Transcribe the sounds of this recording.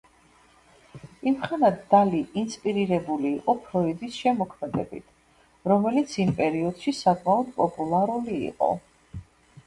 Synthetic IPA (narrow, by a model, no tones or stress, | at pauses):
imχanad̪d̪aliʔinspʼiɾiɾɛbuliːqʼɔpʰɾɔid̪isʃɛmɔkʰmɛd̪ɛ̰bḭt̪ʰ | ɾɔmɛlit̪sʰimpʼɛɾiɔd̪̥ʃisakʼmaɔd̪pʼɔpʼulˠaɾuliḭqʼɔ̰